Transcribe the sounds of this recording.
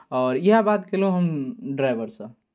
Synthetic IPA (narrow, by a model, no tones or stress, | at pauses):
ɔːɾjiɦãbat̪kelɦõɦəmɖɾaɪbəɾsə̃